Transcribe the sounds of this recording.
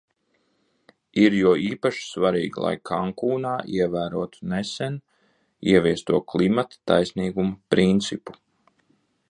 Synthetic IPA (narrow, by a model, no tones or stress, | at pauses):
iɾjuɔiːpaʃi̥svaɾḭːɡilˠa̰jkʰaŋkuːnaːʔiɛvæːɾuɔt̪u̥nɛsɛn | ḭɛviɛst̪uɔklˠimat̪ḁt̪ajsniːɡumɐpɾint̪sipu̥